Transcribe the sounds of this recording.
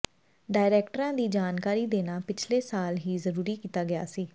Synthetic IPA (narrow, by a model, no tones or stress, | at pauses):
ɖaːɪɾɛːkʈəɾãːd̪iːd͡ʒaːnkaːɾiːd̪eːnaːpɪt͡ʃʰleːsaːlɦiːzəɾuːɾiːkiːt̪aːɡɪja̰ːsiː